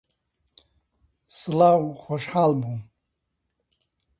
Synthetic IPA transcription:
sɨlawχʷɔʃħalbum

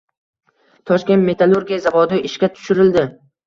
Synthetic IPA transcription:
t̪ʰɒʃkʲe̞nt̪me̞t̪ʰalˠoɾɡʲijazavɒd̪ɪɪʃkʲat̪ʰʊ̥ʃɪɾɪld̪ɪ

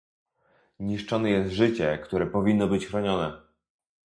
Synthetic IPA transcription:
ɲiʂt͡ʂɔnɛjɛst̪ʐɘt͡ɕɛkt̪uɾɛpɔvʲinːɔbɘt͡ɕxɾɔɲɔnɛ

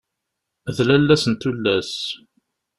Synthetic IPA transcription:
ðlælːæsənt̪ulːæs

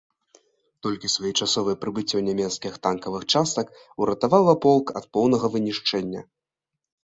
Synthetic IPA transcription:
t̪ɔlʲkʲisvajɛt͡ʂasɔvɨpɾɨbɨt͡sʲːɛwnʲamʲɛt̪skʲixt̪ankɐvɨxt͡ʂast̪ɐk | uɾɐt̪avawɐpɔlˠkɐt̪̚pɔwnɐɣɐvɨnʲiʂt͡ʂɛnʲːɐ̰

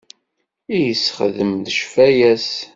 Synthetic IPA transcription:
ijəsχəðəmðəʃfæjæs

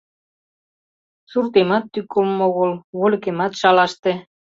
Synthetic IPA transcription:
surt̪emɑt̪ːykːomoɣolβolʲkemɑt̪ʃɑlɑʃt̪ĕ

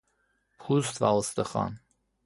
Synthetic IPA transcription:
pʰust̪vɑləst̪əχɑ̰n

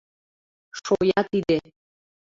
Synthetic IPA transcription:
ʃojɑt̪id̪e

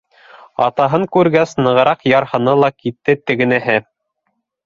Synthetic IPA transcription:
ɑ̰t̪ɑɦɤŋkʉɾɡæsnɤ̆ʁɤ̆ɾɑqjɑɾhɤ̆nɤlˠɑkit̪ːɘt̪ɘ̆ɡɘ̆næɦɘ

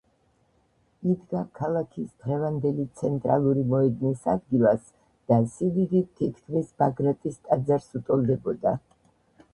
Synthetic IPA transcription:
id̪ɡakʰalˠakʰisd̪ɾɛvand̪ɛlit̪sʰɛnt̪ʼɾa̰lˠuɾimɔɛd̪nisa̰d̪ɡilˠas | d̪̥asividit̪ʰikʰt̪ʰvisbaɡɾat̪ʼist̪ʼad̪zaɾsut̪ʼɔlˠd̪ɛbɔd̪a

